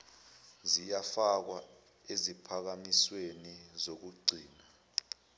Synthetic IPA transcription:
zijafak̬wa | ezipʰak̬amiswenizok̬uɡ͡ǀʱiːna

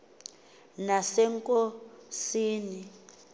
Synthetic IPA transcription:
nasɛŋkʼosiːni

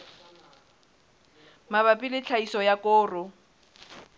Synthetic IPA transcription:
maβapʼɪlɪt͡ɬʰaisɔjakʼʊːrʊ

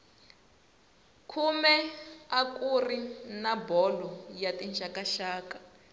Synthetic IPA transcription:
kʰumɛakʼurinabɔlɔjatʼint͡ʃakaʃaːkʼḁ

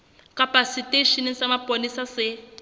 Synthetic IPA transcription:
kapasitʼeʃinsamapʼonisasɛ

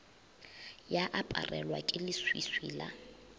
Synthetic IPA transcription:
jaʔapʼa̰rɛlwakʼɪlɪswiswḭːla̰

